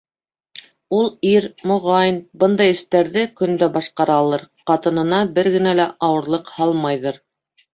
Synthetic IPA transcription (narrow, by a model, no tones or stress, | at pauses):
ulˠiɾmŏʁɑjnbɤnd̪ɑjɘ̆st̪æɾðɘkɵ̆nd̪æbɑʃqɑɾɑːlˠɤɾ | qɑt̪ɤ̆nɤ̆nɑbɘɾɡɘ̆nælæʔɑwɤ̆ɾlˠɤqhɑlˠmɑjðɤɾ